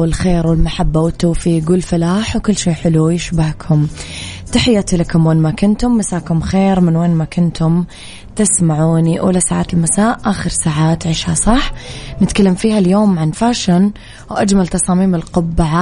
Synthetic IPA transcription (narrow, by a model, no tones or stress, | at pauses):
wɪlxeːɾwɪlmaħabːawɪt̪ːuːfiːɡɪlfalaːħwkʊlːʃiːħɪlujɪʃbahkʰʊmt̪aħɪjːat̪ilakʊmweːnmakʊnt̪ʊmːasaːkʊmxeːɾmɪnweːnmakʊnt̪ʰʊm | t̪ɪsmaʕuːniʔṵːlasaːʕaːt̪ɪlmasaːʔʔaːxɪɾsaːʕaːt̪ʕɪʃhasˤɑħnɪt̪kalːamfiːhaljoːmʕanfaːʃɪn | wʔad͡ʒmalt̪ɑsˤɑːmiːmɪlqʊbːaʕa